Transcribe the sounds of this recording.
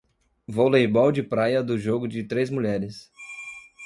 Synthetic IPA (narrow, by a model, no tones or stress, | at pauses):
volejbɔwd͡ʒɪpɾajɐd̪ʊʒoɡʊd͡ʒɪt̪ɾezmuʎɛɾɪs